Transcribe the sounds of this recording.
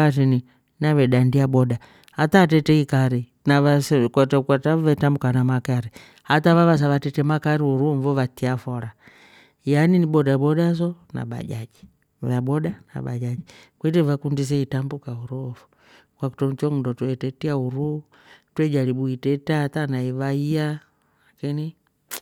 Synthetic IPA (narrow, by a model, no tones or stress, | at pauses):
at̬ini | naβɛɗandiabɔda | hatatɛtɛikaɾi | naaskatakatavɛtambukanamakaɾi | hatavaβas̬aʋatɛtɛmakaɾiuɾuɱvɔvatiafɔɾa | janiniɓɔdabɔdas̬ɔna̰ba̰d͡ʒad͡ʒi | vabɔdana̰ɓa̰d͡ʒad͡ʒikwɛtɛvakundis̬ɛitambukauɾufu̥ | kwaku̥tɔmut͡ʃɔŋundɔtwɛtɛtiauɾu | twɛd͡ʒaliɓuitɛtaatanaivaia | lakini